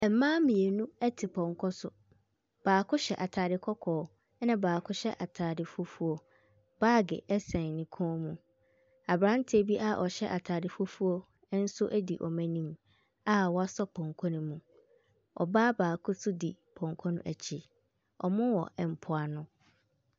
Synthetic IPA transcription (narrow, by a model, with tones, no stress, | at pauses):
ɛ˨m̩˦mãː˦mĩ˨e˨nũ˦ɛ˦tʰɪ˨pʰɔ̃˨ŋkʰɔ˦sʊ˨ | b̥aː˨kʰʊ˦ɕɛ˨ʔa˨tʰaː˨dɪ˨kʰɔ˦kʰɔː˨˦ | nã˦baː˨kʰʊ˦ɕɛ˦ʔa˨tʰaː˨dɪ˨fʊ˦fu˦o˦ | b̥aː˦ɡɪ̰˨ɛ˦sɛ̃˨nɪ̃˨kʰɔ̃ː˦mũ˨ | a˨bɾã˦n˦tʰɪ˦e˦bi˦ʔa˦ʔɔ˨ɕɛ˦ʔa˨tʰaː˨dɪ˨fʊ˦fu˦o˦ | n̩˦sʊ˦ʔæ˦di˨ʔɔ˨mæ̃˦nĩ˦m | a˦wɔ˦a˦sɔ˦pʰɔ̃˨ŋkʰɔ̃˦nĩ˦mũ˨ | ɔ̰˨baː˦baː˨kʰʊ˦sʰʊ˦di˨pʰɔ̃˨ŋkʰɔ˦nʊ̃˦ʔæ˨t͡ɕʰi˨ | ɔ̰˨mʊ̃˦wɔ˨ʔɛ˨m̩˨pʰʊ˨a˨nʊ̃˦